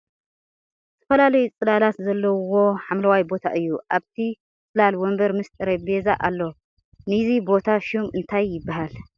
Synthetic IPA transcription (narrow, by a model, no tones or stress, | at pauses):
ɨt̪ʰɐ̥fɐlalɐjut͡sʼɨlalat̪zɐlːɐwo̞ħamlɐwajbo̞t̪ʰa̰ʔɨjːuʔaβt̪ʰi | t͡sʼɨlalwɔmbɐɾmɨst̪ʼɨɾɐbezaʔalːo̞ | nɨzibo̞t̪ʰaʃumɨnt̪ʰajːɪbːahal